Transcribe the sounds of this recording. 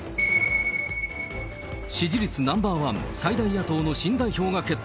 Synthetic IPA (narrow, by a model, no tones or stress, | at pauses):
ɕiʑiɾʲit͡sɨnãmbaːβãnsaid̪aijat̪o̞ːno̞ɕĩnd̪aiço̞ːɡake̞t̪ː